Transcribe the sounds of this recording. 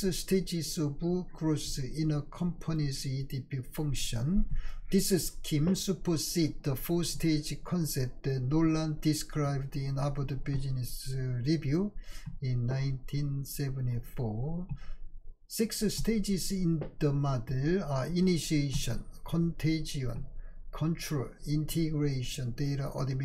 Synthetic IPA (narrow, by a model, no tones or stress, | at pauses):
sstʰed͡ʒisɔbuɡɹosĩnəkʰɔ̃mpʰonisidibifʌ̃ŋkʃə̃nd̪isiskʰĩmsupʰəsit̚d̪əfɔstʰed͡ʒkʰɔ̃nsɛp̚t̚d̪̥ɛtnolãndiskʰɹaɪb̚dĩnabəd̪əbid͡ʒnisɹivjuĩnːãɪ̃ntʰĩnsɛvə̃ntifɔ | sikssted͡ʒisĩnd̪̥əmadelainiʃieʃə̰̃nkʰɔ̃ntʰed͡ʒiə̰̃nkʰɔ̃nt͡ʃɹəlĩntʰiɡɹeʃɔ̃ndeɾaʔɔ̰dim